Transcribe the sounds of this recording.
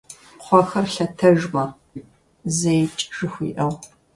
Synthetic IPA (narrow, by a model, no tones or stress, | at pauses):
qʷʰɔxɐrɬɐtʰɐʒmɐ | zejt͡ʃʼʒɨxʷḭːʔɐʁ